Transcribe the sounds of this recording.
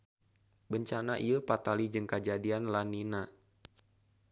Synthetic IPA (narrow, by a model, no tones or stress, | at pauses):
bəɲt͡ʃanaʔiəpat̪alid͡ʒɨŋkad͡ʒadianlanina